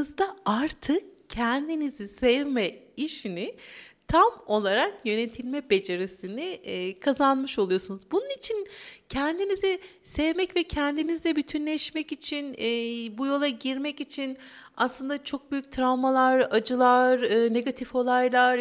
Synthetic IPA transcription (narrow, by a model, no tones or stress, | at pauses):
ɯzd̪aaɾt̪ʰɯkcʰɛnd̪inizisɛvmɛiʃinit̪ʰamo̞lˠaɾakjø̞ne̞t̪ʰilʲmɛbe̞d͡ʒe̞ɾisiniːkʰazanmɯʃo̞lˠujo̞sunuzbununit͡ʃʰincʰɛnd̪inizi | sɛvmɛcvɛcʰɛnd̪inizd̪ʲɛbyt̪ʰynlʲɛʃmɛcit͡ʃʰinːbujo̞lˠaɟiɾmɛcit͡ʃʰinaslˠɯnd̪at͡ʃʰo̞k̚byjyc̚t̪ʰɾavmalˠaɾad͡ʒɯlˠaɾɯːne̞ɡat̪ʰifo̞lˠajlˠaɾ